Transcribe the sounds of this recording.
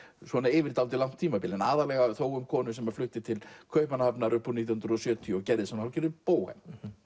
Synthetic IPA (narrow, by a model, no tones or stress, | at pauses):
sɔnaɪvɪɾt̪awlt̪ɪlawn̥t̪ʰiːmapɪːlɪnaːðalɛɣaθoːwɣʏmkʰɔːnʏsɛmaɾ̥flʏht̪ɪt̪ʰɪlkʰœːɥhpmanahapnaɾʏhpːɔnit̪̬jɔhnt̪ɾɔsjœːt̪ʰiʏɔcɛɾðɪsɛmnahalcɛɾðɪpoːwhɛ̰m